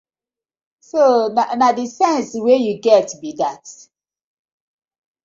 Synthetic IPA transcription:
sonanadisɛ̃nswejuɡɛtbidat

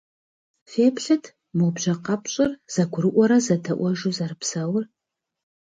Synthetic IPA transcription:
feːpʰɬɨtʰ | mobʒɐqɑpʰɕʼɪrz̥ɐɡʷʊɾɨʔʷɔɾɐzɐtʰɐʔʷɔʒuzɐrɨpʰsɐwr

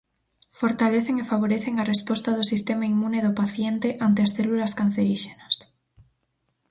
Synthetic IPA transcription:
foɾt̪aleθeŋefaβ̞oɾeθeŋarespɔst̪ɐðʊsist̪emaimũneðʊpaθjent̪ɪʔant̪ɪasθelulɐskan̟θeɾiʃenɐs

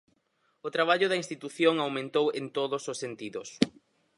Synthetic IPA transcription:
ʊt̪ɾaβaʎʊðɐinst̪it̪uθjoŋawmẽnt̪owent̪oðʊsʊsent̪iðʊs

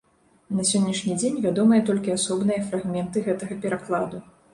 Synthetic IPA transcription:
nɐsʲɔnʲːɐʂnʲid͡zʲenʲvʲad̪ɔmɨjɐt̪ɔlʲkʲiasɔbn̪ɨjɐfɾaɣmʲɛnt̪ɨɣɛt̪ɐɣɐpʲɛɾaklˠad̪u

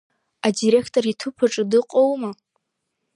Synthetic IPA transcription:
adiɾe̞kʰtʼoritʰupʰaʈ͡ʂʼɨdɨqʷʼowma

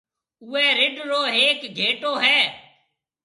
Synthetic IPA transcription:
ʊːɛːɾɪɖɾoːɦeːkɡʱeːʈoːɦɛː

